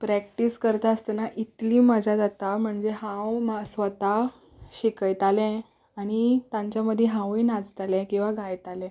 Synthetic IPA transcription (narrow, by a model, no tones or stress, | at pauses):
pɾæk̚ʈiskəɾt̪aəst̪ənaʔit̪lĩːməd͡ʑad͡zat̪am̤əɳd͡zeɦãwmasʋət̪a | ɕikəjt̪alɛ̃ | aɽ̃it̪ãɲt͡ɕjaməd̪ʱːjeɦãwiːnad͡zt̪alɛ̃kĩw̃ʋaɡajt̪alɛ̃